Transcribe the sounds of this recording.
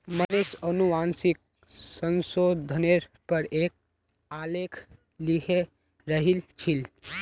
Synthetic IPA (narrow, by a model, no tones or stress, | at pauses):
mənesənuʋansik̚ | sənsod̪ʱəneɾpəɾeːk̚ | alekʰ | likʰe | ɾəɦilt͡ʃʰil